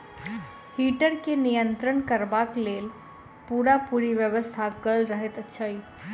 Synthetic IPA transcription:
hiːʈəɾkenijənt̪ɾəɳkəɾbakleːl | puɾapuɾiʋjəʋəst̪ʰakəlɾəɦet̪ətːʃʰai

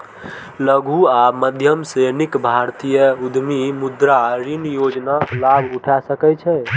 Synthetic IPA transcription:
ləɡʱuaməd̪ʱjəmsenikbʱaɾt̪ijəud̪mimud̪ɾaɾinjod͡ʒnalabʱuʈʰasəkɛt͡ʃʰɛ

